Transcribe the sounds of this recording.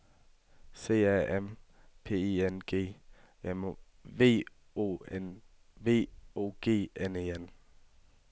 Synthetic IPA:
se̝̰ːæem | pʰe̝̰ːienɡ̥e̝̰ː | em | ʋe̝̰ː | o̰en | ʋe̝̰ːo̝̰ːɡ̥e̝̰ːeneːen

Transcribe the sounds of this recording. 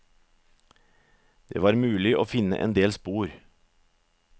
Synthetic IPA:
d̪̥ḛːʋɑːɾmʉːlɪʔoːfɪnə̰ʔɛ̰ːnd̪eːlspuːɾ

